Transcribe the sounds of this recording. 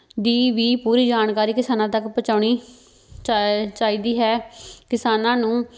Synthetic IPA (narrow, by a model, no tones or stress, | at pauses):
d̪iːʋiːpuːɾiːd͡ʒaːnkaːɾiːkɪsaːnãːt̪əkpət͡ʃaːʊɳ̃iː | t͡ʃaːiːd̪iːɦɛːkɪsaːnãːnũː